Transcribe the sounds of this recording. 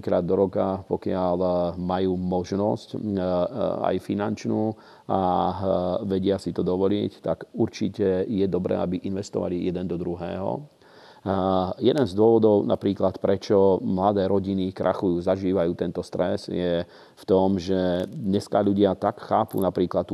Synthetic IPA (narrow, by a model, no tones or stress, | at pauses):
ikɾa̰ːd̪ːɔɾɔkapɔkɪalmajuːmɔʒnɔsc | a̰jfinant͡ʃnuː | a | ʋɛɟɪasit̪ɔd̪ɔʋɔlɪɛct̪akuɾt͡ʃicɛjɛd̪ɔbɾɛ̰ːabiʔinʋɛst̪ɔ̰ʋa̰lijɛd̪ɛnd̪ɔd̪ɾuɦɛːɦɔ̰ | jɛd̪ɛnzd̪ʊɔʋɔd̪ɔʊna̰pɾiːklat̪pɾɛt͡ʃɔmlad̪ɛːɾɔɟinikɾa̰xujuːzaʒiːʋajuːt̪ɛnt̪ɔst̪ɾɛsjɛ | ft̪ɔmʒɛd̪ɲɛskaʎuɟɪat̪akxaːpṵnapɾiːklat̪